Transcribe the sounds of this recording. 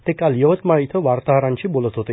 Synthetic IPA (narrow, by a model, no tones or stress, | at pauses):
t̪ekalijɔʋət̪maɭijt̪ʰɔʋaɾt̪aɦaɾant͡ʃʰibolɔt̪ʰɦot̪e